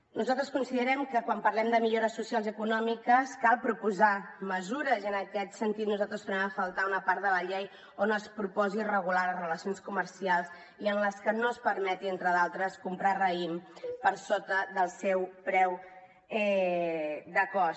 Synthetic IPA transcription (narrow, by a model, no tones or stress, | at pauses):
nuzalˠt̪ɾəskunsiðəɾɛmkəkwampərlɛmd̪əmiʎoɾəsːusialˠziəkunɔmikəskalˠpɾupuzaməzuɾəzənəkɛt̪sənt̪it̪nuzalˠt̪ɾəzt̪uɾɛməfəlˠt̪aunəpaɾt̪d̪ələʎej | onəspɾupɔzirəɣulaləzrələsionskuməɾsialˠz | iənləskənospəɾmɛt̪ient̪ɾəðalˠt̪ɾəskumpɾarəimpəɾsot̪əðəlˠsɛwpɾɛw | ɛ | d̪əkɔ